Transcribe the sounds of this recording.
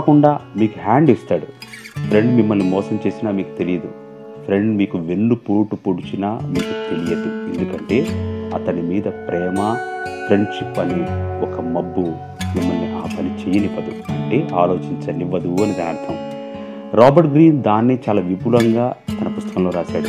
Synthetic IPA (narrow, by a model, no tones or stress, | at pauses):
kakuɳɖaːmiːkuɦaːɳɖist̪aːɽupʰɾe̞ɳɖmimːɐlːimɔːsɐmt͡ʃe̞ːsinaːmiːku̥t̪e̞lijɐd̪u | pʰɾe̞ɳɖmiːkuʋe̞nːupuːʈupuɽut͡ʃinaːmiːkut̪e̞lijɐd̪ue̞̰nd̪ukɐɳʈe̞ːɐt̪ɐnimiːd̪ɐpɾʔɛːmɐpʰɾe̞ɳɖʂipːɐniɔkɐmɐbːu | mimːɐlniʔaːpɐnit͡ʃejɐnipɐd̪uɐɳʈe̞ːʔaːlo̞ːt͡ʃiɲt͡ʃɐniʋɐd̪uɐnid̪aːnɐt̪ʰɐm | ɾaːbɐɾʈ̚ɡɾiːnd̪aːnːit͡ʃaːlaːʋibulɐŋɡaːt̪ɐnɐpust̪ɐkɐmlo̞ːɾaːʃaːɽu